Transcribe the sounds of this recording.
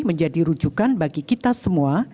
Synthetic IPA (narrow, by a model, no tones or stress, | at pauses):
məɲd͡ʒadiɾud͡ʒukanbaɡikit̪asəmua